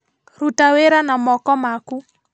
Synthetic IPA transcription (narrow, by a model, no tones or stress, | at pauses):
ɾutaweɾanamɔkɔmaku